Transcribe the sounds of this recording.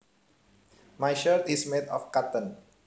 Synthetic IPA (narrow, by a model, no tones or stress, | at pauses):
majʃəɾt̪ismedɔ̰fkat̪ə̃n